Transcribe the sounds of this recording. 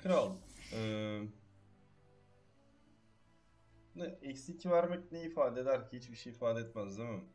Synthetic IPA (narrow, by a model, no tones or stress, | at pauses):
kʰɯɾalˠɛː | nɛɛcsicʰːivæɾmɛcnejifaːd̪ed̪æɾcʰihit͡ʃbiʃejːfaːd̪eɛt̪mazd̪ima